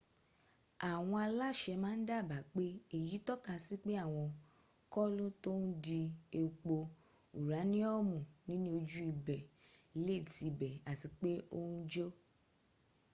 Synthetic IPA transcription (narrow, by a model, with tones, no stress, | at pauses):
a˨w̃ɔ̃˧a˧la˦˨ʃɛ˧mãː˦n̩˦da˦˨ba˨k͡pe˦e˨ji˨˦tɔ˦ka˧si˦k͡pe˦a˦˨w̃ɔ̃˧kɔ˦lo˦to˦nu˦di˧e˧k͡po˧u˨ɾa˨˦nĩ˦ɔ˦mũ˨nĩ˦nĩ˦o˧d͡ʒu˦i˧bɛ˨le˦˨ti˨˧bɛ˨a˨ti˨k͡pe˦o˦ũ˦d͡ʒo˦